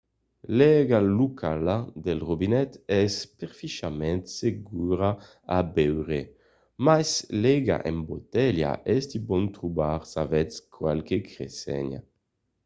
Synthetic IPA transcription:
lɛɡalukʰalad̪elʁobinɛt̪ɛspeʁfiʃamɛnt̪seɡuɾa | abɛwʁe | majslɛɡa̰ʔembot̪ɛlja̰ʔɛsd̪ibɔnt̪ɾubaʁsavɛt͡skʰwalkekɾesɛ̰ɲa̰

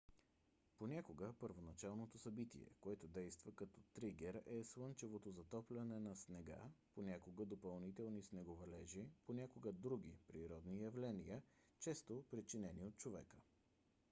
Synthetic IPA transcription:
ponʲakoɡəpəɾvonɐt͡ʃalˠnot̪osɐbit̪ḭɛ̰koɛt̪ʊd̪ɛjst̪vəkɐt̪ɔ̥t̪ɾiɡʲɛɾɛslˠɤnt͡ʃɛvot̪ozɐt̪ɔplʲɐnɛnɐsnɛɡa̰ponʲakoɡəd̪opɐlˠnit̪ɛlˠnisnɛɡovɛlɛʒiponʲakoɡəd̪ɾuɡ̟ʲipɾiɾɔd̪nijɐvlɛnijə | t͡ʃɛst̪opɾit͡ʃinɛniot̪̚t͡ʃovɛ̰kə

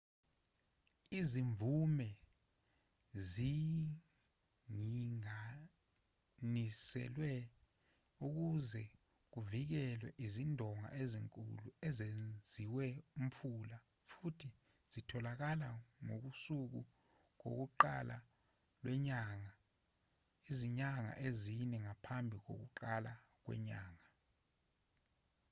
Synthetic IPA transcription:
iziɱvʱumɛ | zi | ŋiŋa | nisɛ̰lwɛ | uk̬uzɛ | k̬uvik̬ɛlwɛ̰ʔizindʱɔŋa̰ʔeziŋkʼṵluɛzend͡zʱiwɛum̩pfʰula | futʰi | z̥itʰɔlak̬alaŋo̰k̬usuk̬u | k̬o̰k̬uǃa̰la̰ | lwɛɲaːŋa | iziɲaŋa̰ʔezinɛŋapʰambʱik̬o̰k̬ṵǃala | k̬wɛ̰ɲaːŋa

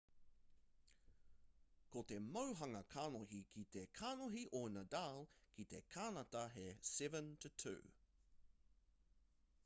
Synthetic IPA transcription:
kotemɐwɦɐŋɐkʰaːnoɦikʰit̪ekʰaːnoɦiʔoːnɐdaːlkʰit̪ekʰaːnɐtɐɦesɛvə̃ntʰutʰʉ̰ː

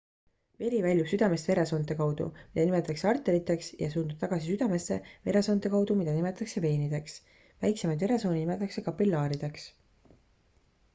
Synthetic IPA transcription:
ve̞lʲivælʲjub̥syd̪̥ɑme̞st̪ve̞ɾe̞so̞ːnt̪ːˑekɑwd̪̥ṵmid̪ɑnimet̪ːˑɑkseɑrt̪ːˑe̞ɾit̪ːˑe̞ksjɑ̰suːnd̪up̚t̪ɑɡ̥ɑsisyd̪̥ɑme̞se̞ve̞ɾeso̞nt̪ˑe̞kɑwd̪̥umid̪ɑnime̞t̪ɑɑkse̞ve̞ːnid̪̥e̞ks | væjksemɑjd̪ve̞ɾe̞so̞ːninime̞t̪ːˑɑkse̞kɑpːilːɑːɾid̪̥e̞ks

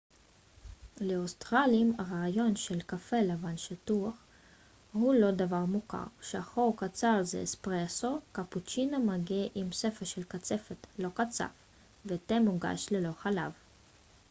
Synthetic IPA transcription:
leost̪ʁalimaʁaːjo̞nʃelkafelavanʃit̪uaχ | hulo̞d̪avaʁmuka̰ʁʃeaχoʁkat͡saʁzḛespʁesokaput͡ʃinamaɡeʔimsefeʃelkat͡sefet̪lo̞kat͡sa̰f | vet̪emuɡa̰ʃlelo̞χala̰v

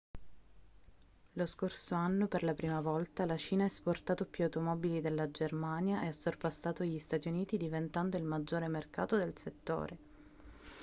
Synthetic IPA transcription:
loskorsoanːoperlapɾiːmavɔlt̪alat͡ʃiːnaaesport̪aːt̪opjuawt̪omɔbilid̪elːad͡ʒermanjaʔeasːorpast̪aːt̪oʎist̪aːt̪iuniːt̪id̪ivent̪and̪oilmad͡ʒːoːɾemerka̰ːt̪od̪elset̪ːo̰ːɾe

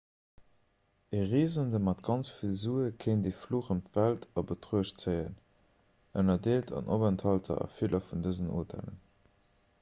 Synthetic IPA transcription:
eʁiːzəndəmɑtɡɑnt͡sfilzuːəkʰeɪndeːfluːχəmtvæltʰɑbətʁuəʃt͡səɪən | ənɐdeːltʰɑ̰nʔobæntʰhɑltʰɐ̰ɑ̰filʔɐfundəzəno̰ːtʰæ̰lə̰n

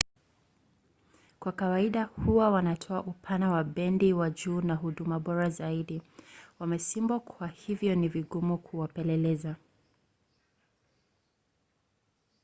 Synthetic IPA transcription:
kwakawaiɗahuwawanatʰɔaʔupʰanawaɓɛndiwaʄuːnaɦuɗumaɓɔɾazaiɗiwamɛsimbakʰwahivjɔniviɡumukʰuwapɛlɛlɛza

